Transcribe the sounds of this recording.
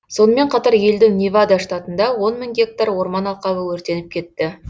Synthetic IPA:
so̞nəme̞ɴqʰɑt̪ɑɾje̞ld̪ɪŋnʲivad̪ɑʂt̪ɑt̪ənd̪ɑwo̞nmɪŋɡʲe̞k̚t̪aɾwo̞ɾmɑnɑlˠqɑbəwɵɾt̪e̞nɪp̚kʲʰe̞t̪ːɪ

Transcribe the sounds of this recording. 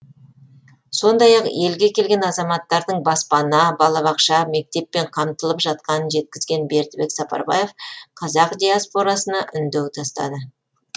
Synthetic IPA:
so̞nd̪ɑjɑqje̞lɡʲe̞kʲʰe̞lɡʲe̞nɑzɑmɑt̪ːɑɾd̪əɴbɑspɑnɑbɑlˠɑβɑqʃɑme̞k̚t̪e̞pːe̞ɴqʰɑmt̪əlˠəpʒɑt̪̚qɑnənʒe̞t̪̚kʲɪzɡʲe̞nbe̞ɾt̪be̞ksɑpɑ̰ɾbɑje̞fqʰɑzɑqd̪ʲijaspo̞ɾɑsənɑʔʏnd̪ewt̪ʰɑst̪ɑ̰d̪ə

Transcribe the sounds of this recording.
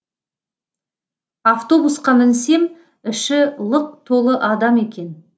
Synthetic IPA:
aft̪o̞busqɑmɪnse̞m | ɪʃɪlˠəq̚t̪ʰo̞lˠəʔɑd̪ɑme̞kʲe̞n

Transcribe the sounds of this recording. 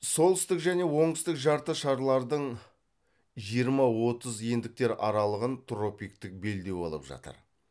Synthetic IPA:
so̞lˠɪst̪ɪkʒæne̞wo̞ɴɪst̪ɪkʒɑɾt̪əʃɑɾlˠɑɾd̪əɴ | ʒijəɾmɑwo̞t̪əzjend̪ɪk̚t̪e̞ɾɑɾɑlˠəʁənt̪ʰro̞pijkt̪ɪk̚be̞ld̪e̞bo̰lˠə̰pʒɑ̰t̪ə̰ɾ

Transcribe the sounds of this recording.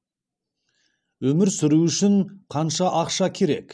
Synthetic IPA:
wɵmɪɾsʏɾuʏʃɪɴqʰɑnʃɑʔɑqʃɑkʲʰe̞ɾe̞̰k

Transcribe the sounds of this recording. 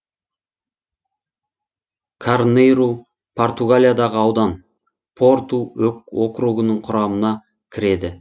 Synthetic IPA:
kʰarnejɾu | pʰo̞rt̪uɡalʲijad̪ɑʁəɑwd̪ɑn | pʰo̞ɾt̪uwɵk̚wo̞kɾuɡənəɴqʰʊɾɑmənɑ | kʲʰɪɾe̞d̪ɪ

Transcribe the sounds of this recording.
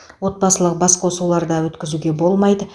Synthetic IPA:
wo̞t̪̚bɑsəlˠəq̚bɑsqosulˠɑɾd̪ɑwɵt̪kʲɪzuɡʲe̞bo̞lˠmɑjd̪ə

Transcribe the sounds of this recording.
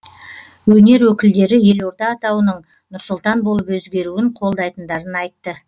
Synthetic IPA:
wɵne̞ɾwɵkʲɪld̪e̞ɾɪje̞lwo̞ɾt̪ɑːt̪ɑwənəɴ | nʊɾsʊlˠt̪ɑnbo̞lˠəpwɵzɡʲe̞ɾuwɪɴqʰo̞lˠd̪ɑjt̪ənd̪ɑɾənɑjt̪ːə

